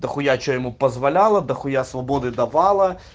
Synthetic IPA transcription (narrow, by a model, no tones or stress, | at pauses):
d̪ɐxʊjat͡ʃɔjɪmupɐzʋɐlʲalˠɐd̪ɐxʊjasʋɐbɔd̪ɨd̪ɐʋɑlˠɐ